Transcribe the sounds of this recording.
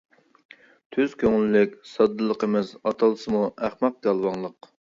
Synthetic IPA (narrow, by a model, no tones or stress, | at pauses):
t̪ʰyzkʲøŋylːɪkʲsɑd̪ːɨlˠəqəmɪzɑt̪ʰɑlˠsɨmuʔæχmɑq̚d̪ɑlˠwɑŋlˠəq